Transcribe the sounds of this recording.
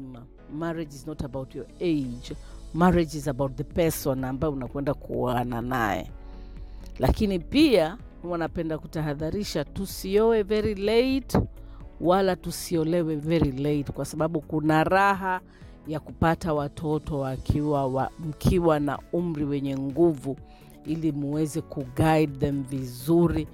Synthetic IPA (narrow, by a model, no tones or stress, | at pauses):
a | maɹid͡ʒiznɔtabawtʰjɔed͡ʒmaɾɛd͡ʒizabawt̚ðəpɛsɔnambaɛunakwɛndakuanana̰jɛ̰ | lakinipia | wanapɛndakutaɦaðaɾiʃatusiɔwɛvɛɾilet | walatusiɔlɛwɛvɛɾilejtkwasaɓaɓukunaɾaɦa | jakupatawatʰɔtɔwakʰiwaam̩kʰiwana̰um̩ɾiwɛɲɛŋɡuvu | ilimuwɛzɛkuɡaidðɛmvizuɾi